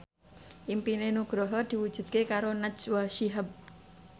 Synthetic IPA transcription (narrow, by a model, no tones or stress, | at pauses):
ʔimpinenuɡ̥ɾɔɦɔd̪̥i̤wud̥ʒ̥ṳt̪̚kekaɾonad͡ʒwaʃiɦəb̚